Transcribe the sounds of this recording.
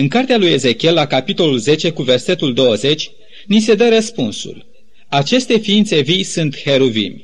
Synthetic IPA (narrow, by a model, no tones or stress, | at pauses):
ɨŋkart̪ealuje̞ze̞kʲie̞lːakapit̪o̞lulze̞t͡ʃe̞kuve̞rse̞t̪uld̪o̞wəze̞t͡ʃʲ | nis̬e̞d̪əɾəspunsṵl | at͡ʃe̞st̪e̞fiːnt̪se̞vijsunt̪he̞ɾuvḭmʲ